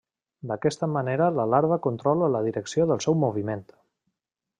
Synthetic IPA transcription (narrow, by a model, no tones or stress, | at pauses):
d̪əkɛst̪əməneɾələlaɾβəkunt̪ɾɔlələð̞iɾəksioðəlˠsɛwmuβ̞iment̪